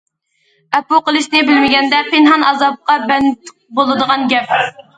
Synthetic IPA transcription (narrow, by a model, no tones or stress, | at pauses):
ɛpuqəlˠɨʃnɪbɪlmɪɡʲɛnd̪ɛpʰɪnɦɑnɑzɑp̚qɑbɛnt̪ʰq̚bolˠɨd̪əʁɑnɡʲɛp̚